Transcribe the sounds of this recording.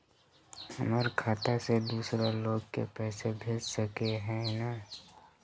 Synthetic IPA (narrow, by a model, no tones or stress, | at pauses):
ɦəməɾkʰaːt̪ased̪uːsɾaloːɡ̚kḛpɛːsebʱeːd͡ʒsəkeɦɛ̃na